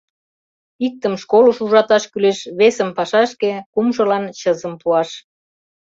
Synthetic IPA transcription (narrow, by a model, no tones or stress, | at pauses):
ik̚t̪əmʃkoluʃuʒɑt̪ɑʃkyleʃβesəmpɑʃɑʃkekumʒə̆lɑnt͡ɕəzəmpuɑʃ